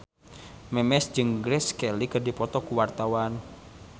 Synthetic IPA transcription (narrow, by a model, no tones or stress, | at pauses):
mɛmɛsd͡ʒɨŋɡɾɛskɛlikərdipɔt̪ɔkuwart̪awan